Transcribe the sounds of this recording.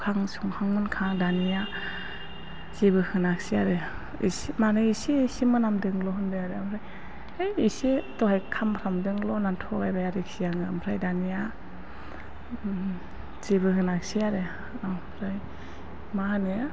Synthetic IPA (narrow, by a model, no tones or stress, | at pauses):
kʰaŋsuŋhaŋmɯnkʰaŋdanija | zebɯhɯnak̚siaɾɯ | ḭsmanɯisisimɯnamdɯŋlɔɦɯndɯaɾeampʰɾaj | ejisitɔɦajkʰambɾamdɯŋlɔnantʰɔɡajbajaɾiksijaŋɯampʰɾajdanija | zebɯhɯnak̚siaɾe | ampʰɾaj | mahane